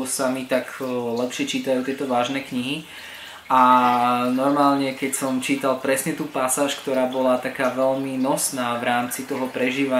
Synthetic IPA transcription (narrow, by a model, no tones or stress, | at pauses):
samit̪aɡlɛpʃɪɛt͡ʃiːt̪ajuːt̪ɪɛt̪ɔʋaːʒnɛːkɲiɦi | ʔa | nɔɾmaːlɲɛkɛcsɔmt͡ʃiːt̪alˠpɾɛsɲɛt̪uːpasaːʃkt̪ɔɾaːbɔlat̪akaːʋɛʎminɔsnaːʋɾaːmt͡sit̪ɔɦɔpɾɛʒiːʋa